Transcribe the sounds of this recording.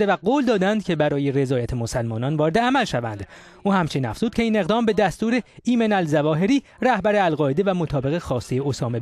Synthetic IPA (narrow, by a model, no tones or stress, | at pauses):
d̪evæɡoːld̪ɒːd̪ænd̪cʲʰe̞bæɾɒːje̞re̞zɒːjæt̪ʰemo̞sælmɒːnɒːnvɒːɾe̞d̪eæmælʃævæ̰nd̪ | ʔuːhæmt͡ʃʰeninæ̰fz̥uːd̪̚cʰe̞iːne̞ɣd̪ɒːmbe̞d̪æst̪uːɾeiːmenælzævɒːɦe̞ɾiː | ræhbæɾeælɢɒːed̪evæmo̞t̪ʰɒːbe̞ɣexɒːst̪ejeosɒːme̞